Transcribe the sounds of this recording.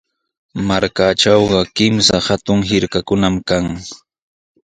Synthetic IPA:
maɾkaʈ͡ʂawɢɑkɪmsahat̪ʊŋɦɪɾkakʊnamkaŋ

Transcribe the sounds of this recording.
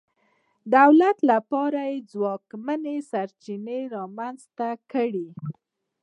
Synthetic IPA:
d̪awlat̪lapɑɾajed͡zwɑkmanesaɾt͡ʃineɾɑmanzt̪akəɽi

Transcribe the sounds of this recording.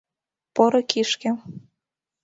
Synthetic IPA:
pɤɾɤ̆kiʃkĕ

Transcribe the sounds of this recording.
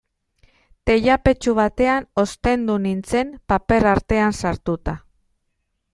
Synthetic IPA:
t̪e̞ʎape̞t͡ʃuβat̪e̞ano̞st̪e̞nd̪unint͡se̞mpape̞ɾaɾt̪e̞ansaɾt̪ut̪a

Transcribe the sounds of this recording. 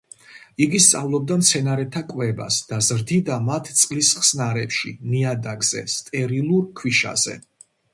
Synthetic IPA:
iɡist̪sʼavlˠɔb̚d̪amt̪sʰɛnaɾɛt̪ʰakʼwɛba̰sd̪̥azɾd̪id̪amat̪ʰt̪sʼlisχsnaɾɛpʃḭniad̪aɡzɛ̰st̪ʼɛɾilˠuɾkʰwiʃa̰z̥ɛ̰

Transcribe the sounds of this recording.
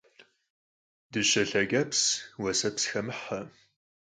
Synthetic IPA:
d̥ɨɕɐɬɐɡɐpswɐsɐpsxɐmɨħɐ

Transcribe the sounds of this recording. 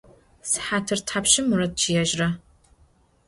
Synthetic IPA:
sħaːtʰɨrtʰħapɕɪmurɐt̚t͡ʃʰijɛʒrɐ

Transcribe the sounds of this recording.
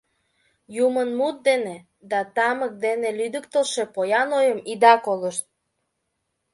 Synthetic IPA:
jumənmut̪̚d̪ene | d̪ɑt̪ɑmək̚d̪enelyd̪əkt̪əlʃe̽pojɑnojəmid̪ɑkoləʃt̪̚

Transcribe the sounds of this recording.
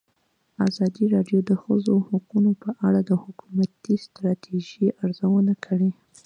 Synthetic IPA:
azɑd̪iɾɑɖjod̪əxəzohaqunopəʔaɽad̪əhʊkumat̪ist̪ɾɑt̪ʰeʒiʔaɾzawənakʰəɽi

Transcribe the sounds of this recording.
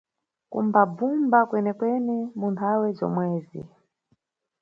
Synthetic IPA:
kṵmbabumbakwɛnɛkwɛnimuntʰawɛzɔ̰mwɛːzḭ

